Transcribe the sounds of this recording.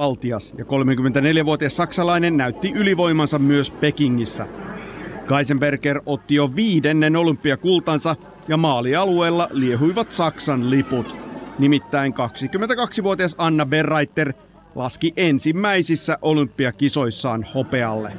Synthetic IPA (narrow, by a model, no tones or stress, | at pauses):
ɑlt̪iɑsjɑko̞lmeŋkymːent̪æne̞ljæʋuot̪iɑsːɑksɑlɑinenːæyt̪ːiʔyliʋo̞jmɑnsɑmmyøspe̞kiŋːisːæ̰ | ɡ̥ɑjsemberkero̞t̪ːijoʋiːdenːeno̞lympːiɑkult̪ɑnsɑ | jɑmɑːliɑlue̞ːlːɑlieɦujʋɑt̪sɑksɑnliput̪nimit̪ːæiŋkɑksikymːent̪ækɑksiʋuot̪iɑsɑnːɑberːɑjt̪ːe̞r | lɑskiʔensimːæjsisːæʔo̞lympːiɑkiso̞jsːɑːnho̞pe̞ɑlːḛ